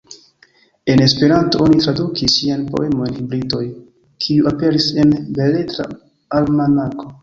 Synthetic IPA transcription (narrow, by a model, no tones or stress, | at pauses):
e̞ne̞spe̞ɾanto̞o̞nitɾadukisianpo̞̰e̞monhibɾito̞j | kʰiuape̞ɾise̞nbe̞le̞tɾa̰ | almanako̞